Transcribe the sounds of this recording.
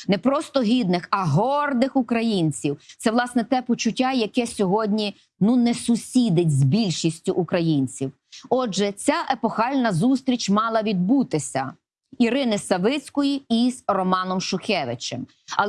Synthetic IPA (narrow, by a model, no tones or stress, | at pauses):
nɛpɾɔst̪ɔɦʲid̪nɪxɐɦɔrd̪ɪxʊkɾɐjinʲt͡sʲiwt̪sɛʋlˠɑsnɛt̪ɛpɔt͡ʃʊtʲːajɐkɛsʲɔɦɔdʲnʲi | nunɛsʊsʲid̪ɪtʲzbʲilʲʃisʲtʲʊʔʊkɾɐjinʲt͡sʲiw | ɔʒɛt͡sʲaʔepɔxɑlʲnɐzust̪ɾʲit͡ʃmɑlˠɐʋʲid̪̚but̪ɪsʲɐ | iɾɪnɪsɐʋɪt͡sʲkɔjiizrɔmɑnɔmʃʊxʲɛʋɪt͡ʃem